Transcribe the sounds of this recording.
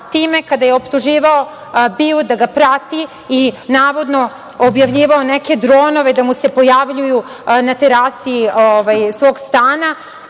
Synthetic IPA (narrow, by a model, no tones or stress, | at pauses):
t̪iːme̞kad̪ajeo̞pt̪uʒiːʋao | biod̪aɡapɾat̪i | inaːʋo̞d̪no̞ | objaʋʎiːʋaoneke̞d̪ɾo̞ːno̞ʋe̞d̪amuse̞po̞jaʋʎuju | nat̪eɾasiioʋajsʋo̞ːɡst̪aːna